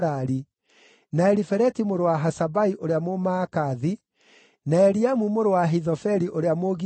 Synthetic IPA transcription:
ɾaɾi | naɛɾifɛɾɛtimoɾowaɦasabaiʔoɾeamomaːkaði | naɛɾiamumoɾowaɦiðɔfɛɾiʔoɾeamoɣi

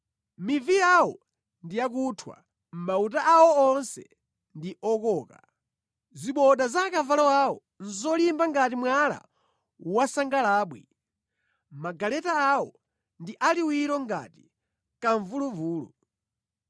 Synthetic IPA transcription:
mivijawɔ | ndijak̬utʰwa̰ | m̩mautaʔawɔɔnsɛ̰ | ndiʔɔkɔːka | ziɓɔɗazakavalɔwawɔ | n̩zɔlimbaŋɡatimwala̰ | wasaŋɡalaːɓwḭ | maɡalɛtaːwɔ | ndiʔaliwiɾɔŋɡa̰ti̥ | kaɱvuluvuːlṵ

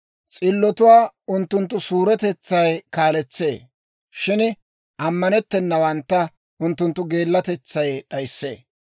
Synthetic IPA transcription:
t͡sʼɪlːɔt̪ʊwaːʊnt̪ːʊnt̪ːʊsuːɾɛt̪ɛt͡sːɐjkaːlɛt͡sːe̞̰ː | ʃɪn | ʔɐmːɐnɛt̪ːɛnːɐwɐnt̪ːɐ | ʊnt̪ːʊnt̪ːʊɡe̞ːlːɐt̪ɛt͡sːɐjɗɐjsːḛː

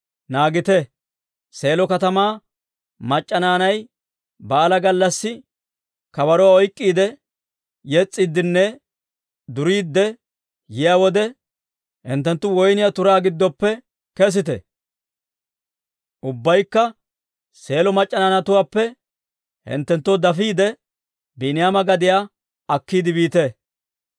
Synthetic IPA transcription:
naːɡɪt̪ɛ | se̞ːlɔkɐt̪ɐmaː | mɐt͡ʃʼːɐnaːnɐj | baːlɐɡɐlːɐsːɪ | kɐbɐɾɔwaɔjkʼːiːd̪ɛ | jɛt͡sʼːɪd̪ːɪnːɛ | d̪ʊɾiːd̪ːɛ | jɪjaːwɔd̪ɛ | hɪ̰nt̪ːɛnt̪ːʊwɔjnɪjat̪ʊɾaːɡɪd̪ːɔpːɛ | kɛs̬ɪt̪ɛ̰ | ʔʊbːɐjkːɐ | se̞ːlɔmɐt͡ʃʼːɐnɐnɐt̪ʊwaːpːɛ | hɪ̰nt̪ːɛnt̪ːɔd̪ɐfiːd̪ɛ | binɪjaːmɐɡɐd̪ɪja | ɐkːiːd̪ɪbiːt̪ɛ

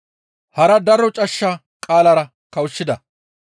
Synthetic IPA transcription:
hɐɾɐd̪ɐɾɔt͡ʃʼɐʃːɐ | kʼaːlɐɾɐ | kɐwʃːɪd̪ɐ

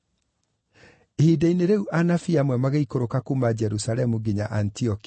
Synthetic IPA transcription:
ehidaineɾeuʔanafiamwɛmaɣeikoɾokakumad͡ʑɛɾusaɾɛmuɡiɲa̰ʔantiɔki

